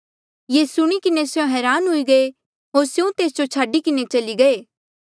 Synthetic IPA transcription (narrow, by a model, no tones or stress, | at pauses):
jeːsʊɽ̃ikɪnesjõɦɛːɾaːnɦʊiɡɐe | ɦoːɾsjũt̪eːsd͡ʒot͡ʃʰaːɖikɪnet͡ʃɐliɡɐeː